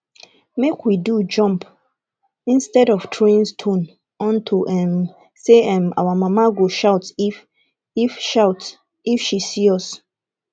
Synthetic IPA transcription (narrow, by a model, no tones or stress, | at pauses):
mekwidud͡ʒɔ̃mp | ĩnstɛdɔftʰɹẽĩnstʰõn | ɔ̃ntʰuʔɛm | seɛma̰wamamaɡoʃaʊt | ifʃaʊt | ifʃisiɔs